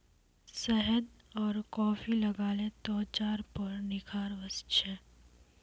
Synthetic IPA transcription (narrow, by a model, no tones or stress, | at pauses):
sɛɦəd̪ | ɔːɾkɔːfilɐɡaːlet̪ɔːt͡ʃaːɾpɐɾnɪkʰaːɾʋəsʃʰɛ